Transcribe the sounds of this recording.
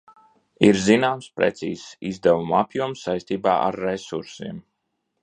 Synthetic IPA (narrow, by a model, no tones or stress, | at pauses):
iɾzinaːmspɾɛ̰t̪sḭːsizd̪ɛvumapʲjuɔmsːajst̪iːbaːʔa̰ɾːesuɾsiːm